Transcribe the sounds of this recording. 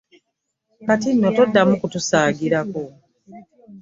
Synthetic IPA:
katinːotodːamukutusaːɡiɾako̞

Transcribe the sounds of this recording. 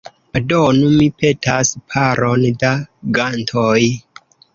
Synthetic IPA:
adonumipe̞tʰaspʰaɾʔondaɡantʰoj

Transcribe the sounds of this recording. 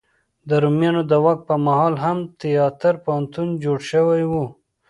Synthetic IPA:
d̪əɾumjɑnod̪əwak̪̚pəɾmahɑlɦamt̪ɪjɑt̪aɾpahant̪und͡ʒoɽʃəwajwu

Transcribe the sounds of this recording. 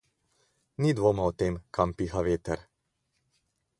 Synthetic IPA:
nid̪ʋoːmaɔt̪eːmkʰampiːxaʋeːt̪ɛɾ

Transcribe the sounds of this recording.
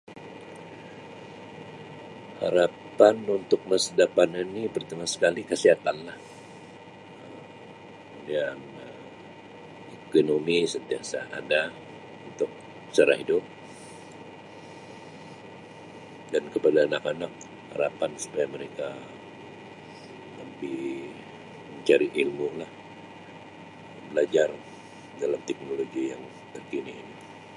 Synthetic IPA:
ha̰ɾapanunt̪ʊk̚məsədapaninipərt̪amasə̥kalikəsiɦat̪anlah | ə | udiaŋ | ə | ekonomisənt̪iasa̰a̰da | unt̪ʊk̚ | t͡ʃaɾa̰ɦidʊp̚ | dankəpadaːnakanak̚ | ha̰ɾapansu̥pajaməɾeka | ləpih | məɲt͡ʃaɾiʔilmulah | bəlad͡ʒar | dalamt̪ɛk̚noloɡijaŋ | t̪ərkiniːni

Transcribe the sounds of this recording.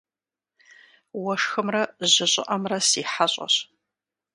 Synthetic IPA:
wɐʂxɨmrɐʑɪɕʼɪ̰ʔɐmrɐsiːħaɕʼɐ̰ɕ

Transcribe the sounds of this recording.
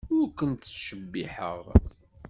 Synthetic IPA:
ʊɾkənt̪ːʃəbːiħə̰ʁ

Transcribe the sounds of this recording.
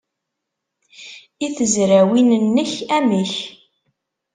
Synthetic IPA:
iθəzɾæwinənːəçæmiç

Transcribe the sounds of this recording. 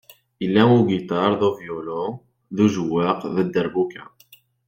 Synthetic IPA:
ilːæuɡit̪ˤɑɾˤðovjolo | ðuʒəwːəqðəd̪ːəɾbukæ̰

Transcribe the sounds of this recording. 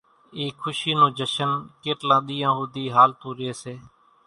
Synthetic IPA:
iːkʰːʊʃiːnõːd͡ʒəʃənkeːʈlãːɗ̪iːãːɦuːd̪iːɦaːlt̪ũːɾɪeːseː

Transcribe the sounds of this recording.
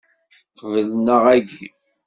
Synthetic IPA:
qvəlnəʁæɡi

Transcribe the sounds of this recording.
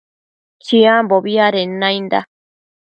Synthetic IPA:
t͡ʃiamboβiaɾenãjnd̪a̰

